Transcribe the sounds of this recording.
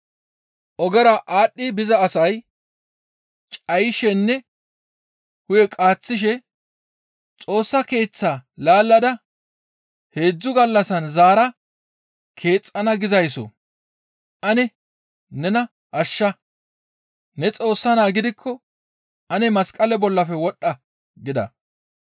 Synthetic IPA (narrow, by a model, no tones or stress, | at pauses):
ʔɔɡɛɾɐʔaːɗːɪbɪzɐːsɐj | t͡ʃʼɐjʃɛnːɛ | hʊjɛkʼaːt͡sːɪʃ̬ɛ | t͡sʼo̞ːsːɐke̞ːt͡sːaːlaːlːɐd̪ɐ | he̞ːd͡zːʊɡɐlːɐsɐnzaːɾɐ | kʰe̞ːt͡sʼːɐnɐɡɪzɐjs̬ɔ̰ | ʔɐnɛ | nɛnɐ | ʔɐʃːɐ | nɛt͡sʼo̞ːsːɐnaːɡɪd̪ɪkʰːɔ | ʔɐnɛmɐskʼɐlɛbɔlːɐfɛwɔɗɐ | ɡɪd̪ɐ̰